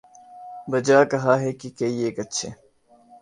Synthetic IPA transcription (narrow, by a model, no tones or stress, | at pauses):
bɐd͡ʒaːkɐɦaːɦeːkikeieːkɐtːʃʰeː